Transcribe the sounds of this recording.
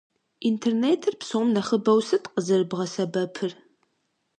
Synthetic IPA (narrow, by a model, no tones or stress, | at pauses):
ʔintʰerneːtʰɨrpsomnɐχəbɐwsɨtʼqəzɨrɨbʁɐsɐbɐpʰɨr